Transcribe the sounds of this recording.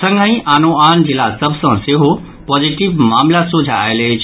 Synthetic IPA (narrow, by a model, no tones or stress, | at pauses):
sɐ̃ŋɡʱãĩʔaːnoaːnd͡ʑɪlasɐbʱsãseɦo | pɔːziʈɪʋmaːmlasud͡ʑʱa̰ːjle